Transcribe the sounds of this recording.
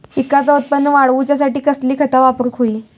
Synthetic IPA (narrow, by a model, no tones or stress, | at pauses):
ikat͡saut̪̚pənːəʋaɽʋut͡ɕjas̬aʈiːkəsliːkʰət̪aʋapəɾkʰoiː